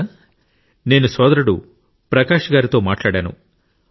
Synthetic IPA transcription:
ne̞ːnusɔːd̪ɐɾuɽu | pɾɐkaːʂɐɡaːɾit̪o̞ːmaːʈlaːɽaːnṵ

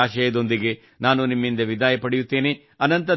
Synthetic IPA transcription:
aːʃɐjɐd̪o̞nd̪iɡe̞ | naːnunimːind̪ɐʋid̪aːjɐpɐɽejut̪ːeːne | ɐnɐnt̪ɐ

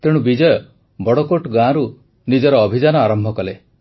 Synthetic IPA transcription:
t̪eɽubid͡ʒɔjɔ | bɔɽɔkoʈɔɡãɾu | nid͡ʒɔɾɔːbʱid͡ʒanɔaɾɔmbʱɔkɔle

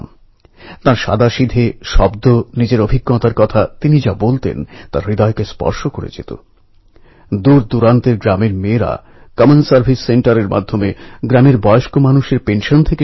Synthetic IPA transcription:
m | t̪aɾʃa̰d̪aʃid̪ʱeʃɔbd̪onid͡ʑeɾobʱiɡːɔt̪aɾkɔt̪ʰat̪inid͡ʑabolt̪ḛnt̪a̰ɾɾid̪aekespɔ̰ɾʃokoɾḛd͡ʑḛt̪o̰ | d̪uɾd̪uɾant̪eɾɡɾameɾmeɾa̰ | kɔmensaɾbʱisːeɳʈaɾeɾma̰d̪ʱːomeɡɾameɾbɔeoʃkomanuʃeɾpenʃont̪ʰeke

